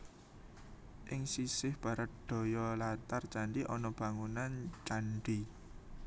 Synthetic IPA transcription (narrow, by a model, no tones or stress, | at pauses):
ʔɪŋsisɪhb̥ä̤ɾət̪̚d̪̥o̤jɔlat̪art͡ʃaɳɖiʔɔnɔb̥ä̤ŋunant͡ʃaɳɖi